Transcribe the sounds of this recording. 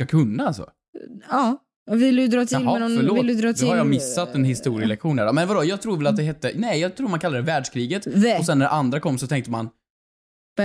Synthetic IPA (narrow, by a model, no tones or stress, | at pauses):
kakʰɵnːaalsɔ̰ | ɑː | vɪlʉd̪ɾɑːt̪ʰɦɛɔɭoːɪd̪ɾɑd̪ɛhaɾjɑmɪsːat̪ːɛnhɪst̪uːɾɪəlɛkɧuːnd̪æɖɔmɛnvad̪ɔjɑːɡt̪ʰɾuːvɛlat̪̚d̪ɛɦɛt̪ːənɛjjɑːt̪ʰɾuːɾmankʰalːɾɛvæːɖʂkʰɾiːɡət̪ɔsɛnːæɾʔand̪ɾakʰɔmːsɔt̪ʰɛŋk̚t̪əman